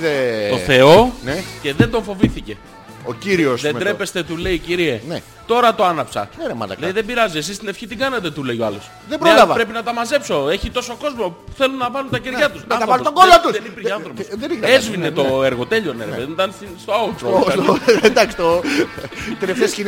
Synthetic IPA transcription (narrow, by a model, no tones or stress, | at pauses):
ðet̪o̞θe̞o̞nce̞ðe̞nd̪o̞ɱfo̞viθice̞ | ociɾiosðed̪ɾe̞pe̞st̪e̞t̪ule̞iciɾiene | t̪o̞ɾɐt̪o̞ɐnɐpsɐ̰nemɐ̰nd̪ɐlejiðe̞biɾɐzies̬ist̪ine̞fçit̪iɡɐnɐt̪e̞t̪ule̞jo̞ɐlo̞s | ðebɾolɐvɐpɾe̞pinɐt̪ɐmɐze̞pso̞e̞çit̪o̞so̞ko̞zmouθe̞lunːɐpɐnunt̪ɐceɾʝɐt̪usɐɐɾvɐnt̪oɡolot̪usðenipiɾçeɐnθɾo̞posðeniɣɐezvinet̪o̞eɾɣo̞t̪e̞ʎoneɾɣeðenit̪ɐnsinst̪oɐut̪ɾo | d̪ɐksi̥t̪o | t̪ɾefθescin